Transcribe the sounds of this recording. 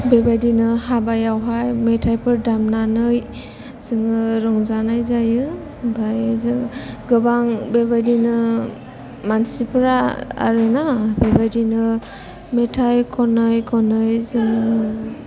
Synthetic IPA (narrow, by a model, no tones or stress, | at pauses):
bebajdinɯhabajawɦajmetʰajpʰɯɾdamnanɯj | z̥ɯŋɯɾɔŋzanajzajɯ | bajzɯɡɯbaŋbebajdinɯ | mansipʰɾaa̰ɾɯnabebajdinɯ | metʰajkʰɔnɯjkʰɔnɯjzɯŋɯɯ